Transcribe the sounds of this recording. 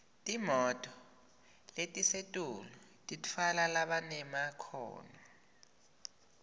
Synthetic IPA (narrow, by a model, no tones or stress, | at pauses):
tʼimɔtʼɔ | letʼisetʼulɔtʼitʰalalaɓanɛmakʰɔ̰ːnɔ